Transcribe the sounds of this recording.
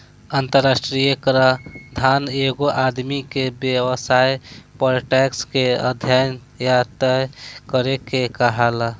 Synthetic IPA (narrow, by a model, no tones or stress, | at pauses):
ənt̪əɾːasʈɾijəkɾad̪ʱaneɡoʔad̪mikebjewəsajpəɾʈɛkskeə̰d̪ʱjan | jat̪əkəɾekekəɦɛla